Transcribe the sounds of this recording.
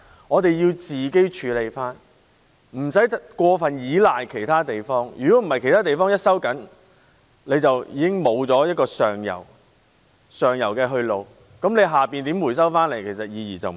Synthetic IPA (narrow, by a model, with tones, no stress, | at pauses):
ŋɔː˨˧t̪e˨jjiː˧wt͡siː˨ke˥jt͡ʃʰyː˨˧le˨˧jfaː˥n | m̩˨˩sɐ˨˥jkʷɔː˧fɐ˨njiː˨˥laː˨jkʰe˨˩jt̪ʰaː˥t̪e˨jfɔː˥ŋjy̰ː˨˩kɔ˨˥m̩˨˩hɐ˨jkʰe˨˩t̪ʰaː˥t̪e˨jfɔː˥ŋjɐ˥t̚sɐ˥wkɐ˨˥n | le˨˧jt͡sɐ˨wjiː˨˧kɪ˥ŋmo˨˧wt͡sɔː˨˥jɐ˥t̚kɔː˧sœː˨ŋjɐ̰˨˩w | sœː˨˩ŋjɐ̰˨˩wkɛː˧ɦɵ˧ɥlo˨w | kɐ˨˥mle˨˧jɦaː˨piː˨nt̪iː˨˥mwuː˨˩js̬ɐ˥wfaː˥nle˨˩jkʰe˨˩sɐ˨t̚jiː˨˧jiː˨˩t͡sɐ˨w